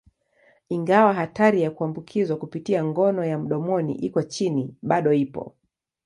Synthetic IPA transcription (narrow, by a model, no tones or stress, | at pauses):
iŋɡawaɦataɾijakuambukʰizwakupitiaŋɡɔnɔjam̩ɗɔmɔnḭʔikɔt͡ʃiniɓaɗɔipɔ̰